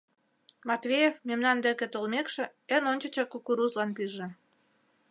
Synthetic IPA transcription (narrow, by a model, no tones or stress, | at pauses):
mɑt̪βejefmemnɑnd̪ĕkĕt̪olmekʃĕənonʲt͡ɕə̆t͡ɕɑkukuɾuzlɑnpyʒĕ